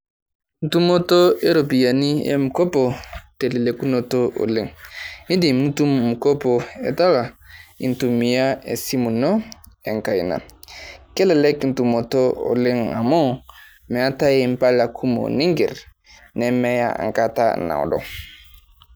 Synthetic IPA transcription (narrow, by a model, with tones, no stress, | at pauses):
n̩˦tu˦mo˦to˦e˦ɾo˨pi˨ja˨ni˦ḛ˦mu˨ko˦po˨te˨le˨le˨ku˦no˨to˦ʔo̰˨li˦ŋi˦di˨m˦nu˦tu˦mmu˨ko˦po˨ḛ˨ta˦la˨ḭ˨ntu˨mi˨ja˦ḛ˨si˦mu˨no˦e˨ŋka˨ji˨na̰˨kɛ˦lɛ˨lɛ˦kn̩˨tu˨mo˨to˦o̰˨li˦ŋa̰˨mo˦ | mɛ˨a˦ta˦je˨m˦pa˦la˨kʰu˦mo̰˨ni˦ŋɡi˨ɾ | nɛ˨mɛ˦ja̰˦a̰˨ŋ˨ka˦ta̰˦na̰˨o̰˨dɔ̰˨